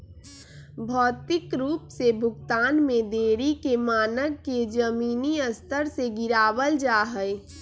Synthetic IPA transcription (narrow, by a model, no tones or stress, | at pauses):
bʱɔːt̪ɪkɾuːpsebʱʊɡt̪aːnmẽd̪eːɾikemaːnəɡːed͡ʒəmiːniəst̪əɾseɡɪɾaːbəld͡ʒaːɦəɪ